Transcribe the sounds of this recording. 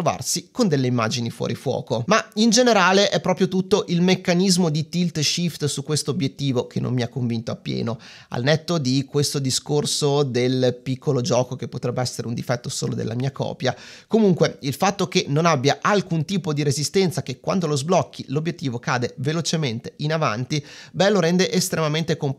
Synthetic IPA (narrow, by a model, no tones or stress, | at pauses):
ɾova̰rsikond̪elːeimːa̰ːd͡ʒinifwɔ̰ːɾifwɔ̰ːkomaind͡ʒeneɾaːleʔɛpːɾɔːpɾjot̪ut̪ːoʔilmekːanizmod̪it̪ilt̪ʃift̪sukwest̪oːbjet̪ːiːvok̟ʰenːo̰mːiakːoɱvint̪oapːjɛ̰ːno | a̰lnet̪ːod̪ikwest̪od̪iskorsod̪elpikːolod͡ʒɔːkok̟epːot̪ɾɛbːeɛsːeɾeund̪ifɛt̪ːoso̰ːlo̰d̪ḛlʔa̰miːakɔ̰ːpjakomuŋkweilfat̪ːokenːonabːjaʔalkunt̪iːpod̪iɾezist̪ɛnt̪sakekwa̰nd̪olozblɔkːilobjet̪ːiːvokaːd̪evelot͡ʃement̪eʔinava̰nt̪ibɛloɾɛnd̪eʔest̪ɾemament̪ekomp